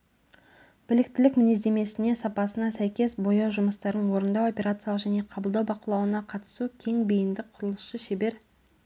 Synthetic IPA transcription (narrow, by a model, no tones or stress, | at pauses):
b̥ɪlɪk̚t̪ɪlɪkmɪnezd̪e̞me̞sɪne̞sɑpɑsənɑsæjkʲe̞sbo̞jɑʒʊməst̪ɑɾənwo̞ɾənd̪ɑwo̞pʲe̞ɾat̪sɨjalˠəqʒæne̞qʰɑbəlˠd̪ɑwbɑqəlˠɑwənɑqʰɑt̪ə̥sukʲʰe̞ŋbijɪnd̪ɪk̚qʰʊɾəlˠəsʃəʃebe̞ɾ